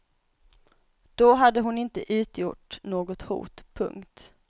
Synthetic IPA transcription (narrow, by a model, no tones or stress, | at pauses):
d̪̥oɦad̪ːəɦʊnɪnt̪əʔʉ̟ːt̪jʊʈnoːɡɔt̪hṵːt̪pʰɵ̰ŋkt̪